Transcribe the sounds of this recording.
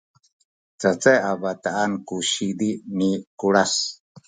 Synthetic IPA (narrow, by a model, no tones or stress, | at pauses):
t͡sat͡seʔabat̪aʔankuʃid̪inikuɺas